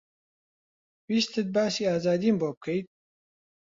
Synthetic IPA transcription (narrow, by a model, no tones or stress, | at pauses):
wist̪ʰɨt̪̚baːsiaːzaːd̪iːmboːp̚kʰəjt̪̚